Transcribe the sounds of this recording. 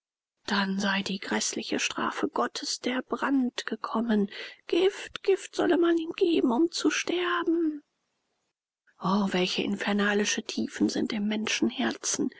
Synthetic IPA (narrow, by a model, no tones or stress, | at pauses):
d̥anzaɪdiːɡʁɛslɪçəʃtʁ̥a̰ːfəɡ̥ɔtʰəsd̥eːɐbʁantɡ̥əkʰɔmənɡ̥ɪftɡ̥ɪftz̥ɔ̰ləmaniːmɡ̥eːbm̩ʊmt͡suʃtɛɐbm̩ | ʔoːvɛlçəʔɪ̰nfɛɐnaːlɪʃətʰiːfn̩zɪntɪmːɛnʃn̩hɛɐt͡sn̩